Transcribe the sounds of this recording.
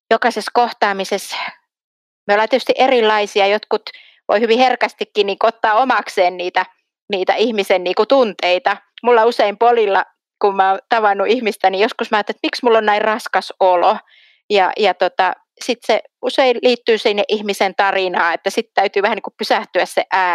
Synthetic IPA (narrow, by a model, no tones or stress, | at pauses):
jokɑseskoht̪ɑːmises | meolːɑnt̪et̪y̥st̪iʔerilːɑisiɑjot̪kut̪ | ʋʔo̰ihyʋiherkæst̪ikːinniːŋkuot̪ːɑːomɑkseːnniːt̪æ | niːt̪æ̰ihmisenniːŋkut̪unt̪eit̪ɑ | mulːɑuseimpolilːɑ | kummɑot̪ɑʋɑnːuʔihmist̪ænijoskusmɑːt̪ːet̪miksmulːonnæirrɑskɑsolo | jɑ̰jɑt̪ot̪ɑ | sit̪se | useilliːt̪ːyːsinːeʔihmisent̪ɑrinɑːet̪ːæsit̪t̪æyt̪yːʋæhæniːkuppysæht̪yæssḛʔæː